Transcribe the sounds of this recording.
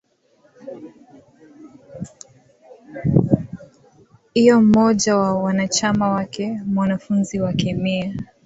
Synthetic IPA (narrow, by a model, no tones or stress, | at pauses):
hijɔm̩ɔʄawawanat͡ʃamawakɛmwanafunziwakɛmia